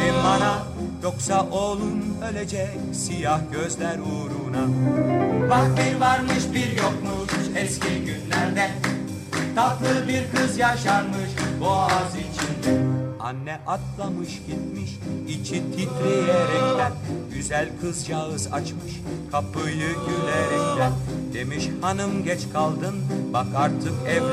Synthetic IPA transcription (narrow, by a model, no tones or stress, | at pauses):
ɛmana | jo̞ksaʔoːlˠunø̞lʲed͡ʒɛc | sijahɟøzlʲæɾuːɾuna | baxbiɾvaɾmɯʃbiɾjokmuzɛsciɟynlʲæɾd̪ɛ | t̪ʰaplˠɯbiɾkʰɯzjaʃaɾmɯʃbuazit͡ʃʰind̪ɛanːɛʔat̪lˠamɯʃɟit̪miʃit͡ʃʰit̪ʰit̪ɾijɛɾɛlʲɛnɟyzælʲkʰɯzjaɯza̰t͡ʃmɯʃkʰapʰɯjɯɟylɛɾɛlʲɛd̪̥emiʃhanɯmɟɛt͡ʃkʰalˠd̪ɯnbakaɾt̪ʰɯkɛ